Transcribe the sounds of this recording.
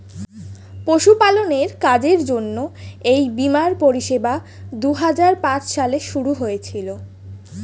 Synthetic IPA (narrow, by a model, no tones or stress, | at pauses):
poʃupaloneɾkad͡ʑeɾd͡ʑonːoejbimaɾpoɾiʃeba | d̪uɦad͡ʑaɾpãt͡ɕʃaleʃuɾuɦojet͡ɕʰilo